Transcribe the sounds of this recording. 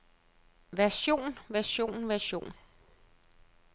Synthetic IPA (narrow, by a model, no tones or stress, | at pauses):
ʋæɐɕo̝̰ːnʋæɐɕo̝̰ːnʋæɐɕo̝̰ːn